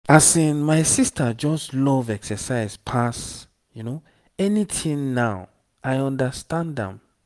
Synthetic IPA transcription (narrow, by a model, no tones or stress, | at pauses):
asĩnmaɪsistʰəd͡ʒɔslɔvɛksəsaɪspʰas | juno | ɛnitʰĩŋnaʊ | ajɔ̃ndəstãndɛ̰̃m